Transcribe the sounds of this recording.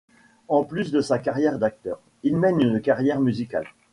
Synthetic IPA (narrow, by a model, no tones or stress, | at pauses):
ɑ̃plysd̪əsakaʁjɛʁd̪ak̚t̪œːʁ | ilmɛnynkaʁjɛʁmyzika̰l